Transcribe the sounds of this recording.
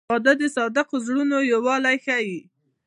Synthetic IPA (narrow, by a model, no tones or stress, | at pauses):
ɑd̪ad̪əsɑd̪ɪqozɽunojawɑlajxaji